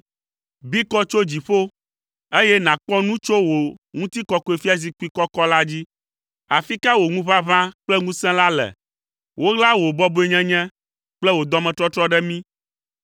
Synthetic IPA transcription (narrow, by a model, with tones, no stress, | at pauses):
bi˦kɔ˦t͡ʃo˦d͡ʑi˨ɸo˦ | e˦jɛ˦nã˨k͡pɔ̃˦nũ˦t͡ʃo˦wo˨ŋũ˦t̪i˦kɔ˨ko˨e˨fi˦a˦z̬i˨k͡pi˦kɔ˦kɔ˦la˦d͡ʑi˦ | a˨fi˦ka˦wo˨ŋũ˦βa˦vã˦k͡plɛ˦ŋũ˦sɛ̃˦la˦lɛ̰˨ | wʔo˦ɣla˦wo˨bɔ˦bo˦e˨ɲɛ̃˦ɲɛ̃˦ | k͡plɛ˦wo˨d̪ɔ˦mɛ̃˨t̪ɾɔ˦t̪ɾɔ˦ɖɛ˦mĩ˦